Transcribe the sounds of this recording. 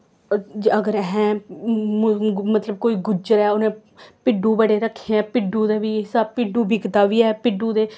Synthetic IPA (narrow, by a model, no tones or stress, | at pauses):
əɡəɾɦɛ̃ː | mət̪ləb̚koːiːɡʊd͡ʒəɾɛːʊnẽː | pɪɖũːbəɽeːɾəkʰːeɛ̃ːpɪɖũːd̪eːʋiːsaːpɪɖũːbʱɪkt̪aːʋiːɛːpɪɖuːd̪eː